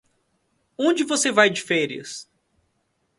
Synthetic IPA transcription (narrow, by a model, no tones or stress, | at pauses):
õd͡ʒɪvosevajd͡ʒɪfɛɾiɐ̰s